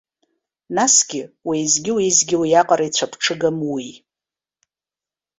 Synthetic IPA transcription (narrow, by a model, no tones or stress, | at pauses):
nasɡʲɪwijzɡʲɪwiizɡʲɪwijaqʼaɾajt͡sʷʰapʰʈ͡ʂʰɨɡamwi